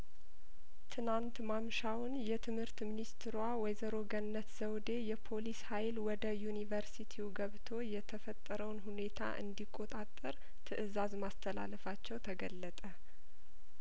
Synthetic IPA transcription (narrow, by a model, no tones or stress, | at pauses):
t̪ʰɨnant̪mamʃawnjɛt̪ʰɨmhɨɾt̪minist̪ʰɾwawɔjzəɾo̞ɡənnːət̪z̥əwd̪e̞jɛpʰo̞lishajlwɔd̪əjunivəɾsit̪ʰiwɡəβt̪ʰo̞jɛt̪ʰəfət̪ʼːəɾəwnɦune̞t̪ʰa̰ʔɨ̰nd̪ikʼːo̞t̪ʼat̪ʼːəɾ | t̪ʰɨʔɨzazmast̪ʰəla̰ləfat͡ʃːɛwt̪ʰəɡəlːət̪ʼə